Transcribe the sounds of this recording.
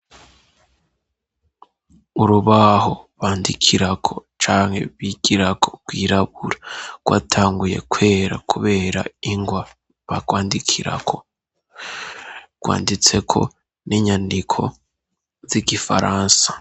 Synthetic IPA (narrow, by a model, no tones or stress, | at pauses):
uɾuβaho̞βaːndikʰiɾakʰo̞t͡ʃaːŋhe̞̰βiɡ̥iɾakʰoɡ̚ɡwiːɾaβuɾaɡ̥wa̰ːtʰaːŋɡuje̞̰kʰwe̞ːɾa̰kʰuβe̞ːɾaiŋɡwa | βaɡwaːndikʰiɾa̰kʰo̞ | ɡ̥wa̰ːndit͡se̞kʰo̞̰ | niɲandikʰo̞̰ | ziɡifaɾaːnsḁ